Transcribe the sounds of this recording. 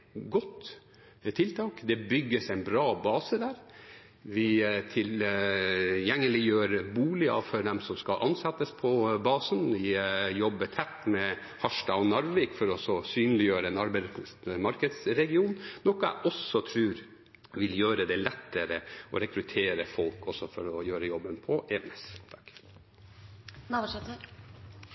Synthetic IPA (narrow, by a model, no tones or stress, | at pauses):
ɡɔt̪ː | t̪ʰɪlt̪ʰɑːkd̪ɛbʏɡːəsæɪnbɾɑːbɑːsəd̪æːɾ | ʋɪt̪ʰɪl | jɛŋːəlɪjøːɾbuːlɪɑ̰fɔɾd̪ɛmsɔmskɑlʔɑnsɛt̪ːəspʰɔbɑːsənʋɪjɔbːət̪ʰɛt̪ːmɛ | hɑʂʈɑɔnɑɾʋeːkfɔɾɔsɔsyːnlɪjøːɾənɑɾbəmɑɾkəd̪sɾɛɡɪuːnnɔkəɛ̰ʔɔsɔt̪ʰɾʉːɾ | ʋɪljøːɾəd̪ɛlɛt̪ːəɾəɔ̰ɾɛkɾʉt̪ʰeːɾəfɔlkɔsɔfɔɾɔjøːɾəjɔbːənpʰɔʔɛːʋnɛst̪ʰ | nɑɛt̪ə